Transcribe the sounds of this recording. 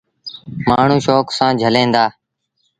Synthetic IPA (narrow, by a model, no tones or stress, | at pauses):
maːɳ̤ũːʃoːksãːd͡ʒʱəlẽːnd̪aː